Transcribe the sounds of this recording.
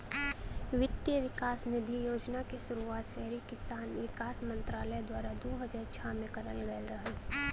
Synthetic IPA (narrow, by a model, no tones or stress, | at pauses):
ʋɪt̪jəʋɪkaːsnɪd̪ʱijoːd͡ʒnakiʃʊɾuaːt̪ʃɛɦɾikɪsaːnʋɪkaːsmə̃nt̪ɾaːləd̪waːɾad̪oːɦəd͡ʒaːɾt͡ʃʰamẽkɐɾəlɡəlɾɐɦe